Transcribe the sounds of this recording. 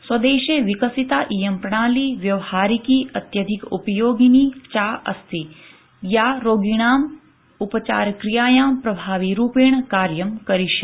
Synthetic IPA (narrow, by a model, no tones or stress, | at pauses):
swɐd̪eːʃeʋikəsit̪aːʔijɐmpɾɐɳ̃aːliːʋjɐʋhaːɾikiɐt̪jɐd̪ʱikṵpəjoːɡinit͡ʃaːʔɐ̰st̪i | jaɾoːɡiɳ̃aːm | upət͡ʃa̰ːɾkɾijaːjaːmpɾɐbʱaːʋiɾuːpeːɳkaːɾjəmkɐɾiʃe